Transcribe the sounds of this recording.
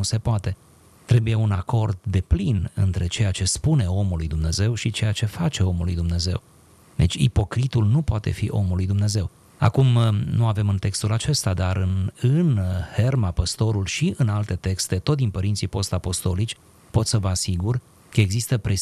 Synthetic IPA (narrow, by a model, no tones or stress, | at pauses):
use̞poat̪e̞ | t̪ɾe̞buje̞unako̞rd̪ːe̞plinɨ̰nt̪ɾe̞t͡ʃe̞jat͡ʃe̞spune̞o̞mulːujd̪umne̞ze̞wʃit͡ʃe̞jat͡ʃe̞fat͡ʃe̞o̞mulːujd̪umne̞ze̞̰w | d̪e̞t͡ʃʲḭpo̞kɾit̪ulnupoat̪e̞̰fḭʔo̞̰mulːujd̪umne̞ze̞w | a̰kumnuave̞mɨnt̪e̞kst̪ulat͡ʃe̞st̪ad̪aɾɨnɨnhe̞rmapəst̪o̞ɾulʃiʔɨnalt̪e̞t̪e̞kst̪e̞t̪o̞t̪̚d̪inpəɾint̪sipo̞st̪apo̞st̪o̞lit͡ʃʲ | po̞t̪səvəasiɡur | kəe̞ɡzist̪əpɾʔe̞